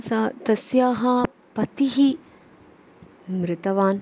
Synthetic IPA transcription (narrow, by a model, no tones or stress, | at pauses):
sɐt̪ɐsjaːɦɐ | pɐt̪iɦi | mɾɪt̪ɐʋaːn